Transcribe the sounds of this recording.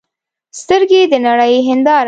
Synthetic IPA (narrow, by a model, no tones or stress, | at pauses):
st̪əɾɡed̪ənaɽəjɦɪnd̪ɑɾ